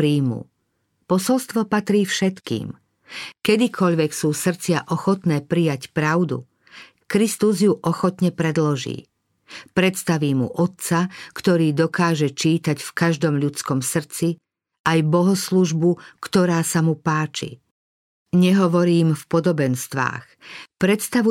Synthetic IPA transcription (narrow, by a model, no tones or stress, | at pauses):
ɾiːmṵ | pɔsɔlst̪ʋɔpat̪ɾiːfʃɛt̪kḭːm | kɛd̪ikʰɔʎʋɛksuːsr̩t͡sɪaʔɔxɔt̪nɛːpɾijacpɾaʊd̪ṵ | kɾist̪uzjuʔɔxɔt̪ɲɛpɾɛd̪lɔʒḭː | pɾɛt̪st̪aʋiːmṵʔɔt̪̚t͡sakt̪ɔɾiːd̪ɔkaːʒɛt͡ʃiːt̪acfkaʒd̪ɔmʎutt͡skɔmsr̩t͡si | ajbɔɦɔsluʒbukt̪ɔɾaːsamupaːt͡ʃḭ | ɲɛɦɔʋɔɾiːmfpɔd̪ɔbɛnst̪ʋa̰ːxpɾɛt̪st̪aʋu